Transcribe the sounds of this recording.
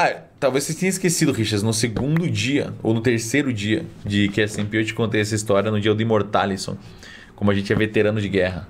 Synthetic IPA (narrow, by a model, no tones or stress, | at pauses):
a | t̪awvesset̪ẽɲ̃ɐiskesid̪ʊʁiʃɐɾznʊseɡũnd̪ʊd͡ʒiɐ̰o̰wnʊt̪eɾsejɾʊd͡ʒiɐd͡ʒɪkɛsẽpiot͡ʃɪ̥kõnt̪ejɛsɐist̪ɔɾjɐnʊd͡ʒiɐd̪ʊĩmoɾt̪a̰lisõ̰ | kõmʊɐʒẽnt͡ʃɪɛvet̪eɾɐ̃nʊd͡ʒɪɡɛɦɐ